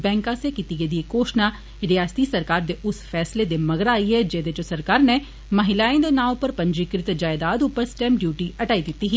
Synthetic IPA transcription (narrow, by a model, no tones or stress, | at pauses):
bɛ̃ːŋkãsekit̪iɡed̪iekoːʃna | ɾijaːst̪isɐɾkaːɾd̪eʔʊsfɛːsled̪emɐɡəɾaːiɦɛd͡ʒɛːd̪ed͡ʒosɐɾkaːɾne | mɐɦɪlaːẽd̪enaːopəɾpɐ̃ɲd͡ʒikɾɪt̪d͡ʒaːɪd̪aːd̪uːpəɾsʈɛ̃ːmɖjuːʈiɐʈaːid̪ɪt̪ːiɦɛː